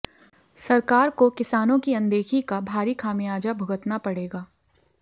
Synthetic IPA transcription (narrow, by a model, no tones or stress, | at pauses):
sɐɾkaːɾkokɪsaːnõkiɐ̃nd̪eːxʰikabʱaːɾikʰaːmijaːd͡ʒabʱʊɡət̪napɐɽeːɡaː